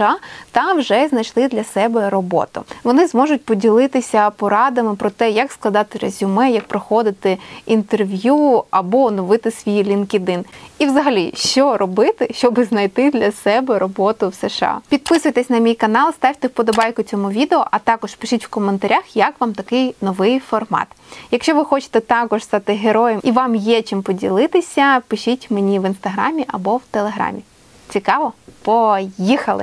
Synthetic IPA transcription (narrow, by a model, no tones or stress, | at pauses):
ɑt̪ɑwʒɛznɐjt͡ʃlˠɪd̪lʲɐsɛbɛɾɔbɔ̰t̪ʊ̰ʋɔnɪzmɔʒʊt̚ʲpɔdʲilˠɪt̪ɪsʲɐpɔɾɑd̪ɐmɪpɾɔt̪ɛjɐksklˠɐd̪ɑt̪ɪɾezʲʊmɛjɐk̚pɾɔxɔd̪ɪt̪ɪint̪erʋʲjuɐbɔnɔʋɪt̪ɪsʲʋʲijlʲinkɪd̪ɪniʋzɐɦɐlʲḭʃt͡ʃɔɾɔbɪt̪ɪʃt͡ʃɔbɪznɐjt̪ɪd̪lʲɐsɛbɛɾɔbɔt̪ʊwseʃɑ̰pʲid̪̚pɪsʊjt̪ɛsʲnɐmʲijkɐnɑlˠst̪ɑʋʲt̪ɛwpɔd̪ɔbɑjkʊt͡sʲɔmuʋʲid̪eɔʔɐt̪ɑkɔʃpɪʃɪtʲwkɔment̪ɐɾʲʔaxjɐkʋɑmt̪ɐkɪjnɔʋɪjfɔrmɑ̰t̪jɐkʃt͡ʃɔʋɪxɔt͡ʃɪ̥t̪ɛt̪ɑkɔʒst̪ɑt̪ɪɦeɾɔjɛmiʋɑmjɛt͡ʃimpɔdʲilˠɪt̪ɪsʲɐpɪʃitʲmenʲiʋinst̪ɐɦɾɑ̰mʲiʔɐbɔwt̪elˠeɦɾɑ̰mʲi | t͡sʲikɑʋɔpɔjixɐlˠɪ̰